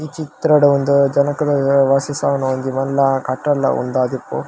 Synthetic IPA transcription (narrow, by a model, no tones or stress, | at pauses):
it͡ʃit̪ɾɐɽɐond̪ud͡ʒɐnɐkɐd̪ɐʋaːsɐsaːʋɐnɐond̪imɐnlːɐkɐʈːɐlːɐ̰ʔṵnd̪aːd̪ipːṵ